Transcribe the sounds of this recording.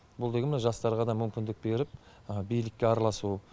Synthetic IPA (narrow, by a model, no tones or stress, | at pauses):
bʊlˠd̪eɡʲemɪneʒɑst̪ɑɾʁɑd̪ɑmʏmkʲɪnd̪ɪk̚be̞ɾɪp̚ | bijlɪkʲːeɑɾɑlˠɑsu